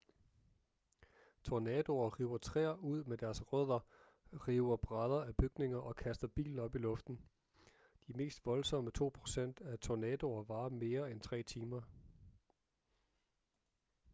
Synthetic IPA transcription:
t͡sʰo̝nɛːd̥o̝ɐʁiːʊ̰ɐt͡sʰʁɛ̰ːɐʔuð̞̰ˠmed̥æɐsʁœð̰ˠɐ | ʁiːʊɐb̥ʁað̞ˠɐæb̥yɡ̥ne̝ŋɐʔɒ̽kʰæsd̥ɐb̥ḭːln̩ɒ̽b̥ilɔ̽fd̥n̩ | d̥iæme̝̰ːsd̥ʋɒ̽lsɒ̽mət͡sʰo̝̰ːpʰʁo̝̥sen̰d̥æt͡sʰonɛd̥o̝ɐʋɑ̈ːme̝ːɐent͡sʰʁɛ̰ːt͡sʰiːmɐ

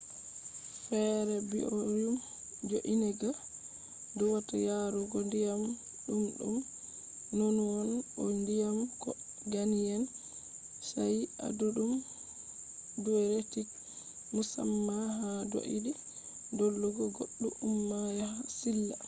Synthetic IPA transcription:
fɛɾɛbḭʔoɾum | d͡ʒoʔinɛɡa | dɔwatajaɾɔɡɔndijam | ɗumɗṵm | nːonwɔnɔ̰ndijamkɔ | ɡanijɛn | saja̰duɗum | duɛɾetik | musa̰mːaɦado̰ʔḭdi | dolːuɡɔɡoɗːuumːajahasilːa

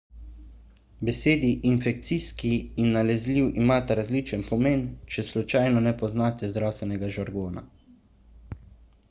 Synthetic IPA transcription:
bɛseːd̪iʔinfɛk̚t̪siːskiːnːalɛzliwʔimaːt̪aɾazliːt͡ʃənpɔmeːnt͡ʃɛslut͡ʃajnɔnɛpɔznaːt̪ɛzd̪ɾawst̪ʋɛnɛɡaʒaɾɡoːna̰

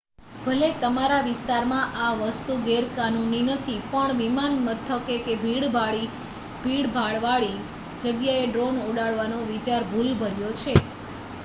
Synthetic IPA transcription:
b̥ʱəlet̪əmaɾaʋɪst̪aɾmãʔaʋəst̪uɡeɾkanuninət̪ʰipəɳʋimanmət̪ʰːəkekebʱiɽbʱaɭi | bʱiɽbʱaɭʋaɭi | d͡ʒəɡjaeɖɾonoɽaɭʋanoʋit͡ʃaɾbʱulbʱəɾjot͡ʃʰe

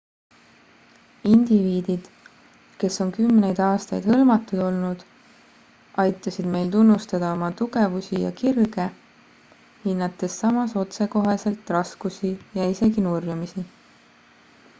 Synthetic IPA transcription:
ind̪̥iviːd̪̥id̪̥ | ke̞sːo̞nkymːne̞jd̪̥ɑːst̪ɑjd̪̥hɤlmɑt̪ːˑud̪̥o̞lnud̪̥ | ʔɑjt̪ˑːɑsid̪̥me̞jlt̪unːust̪ɑd̪̥ɑomɑt̪uɡ̥e̞vusijɑ̰kirɡ̥e̞ | hinːɑt̪ːˑe̞sːɑmɑso̞t̪se̞ko̞ɦese̞lt̪ːˑrɑskusijɑise̞ɡinurjumisi

